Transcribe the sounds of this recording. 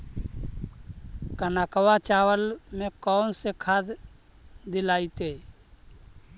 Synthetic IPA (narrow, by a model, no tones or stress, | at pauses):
kənakəwat͡ʃawəlmẽkɔːnsekʰaːd̪ | d̪ɪlaːit̪e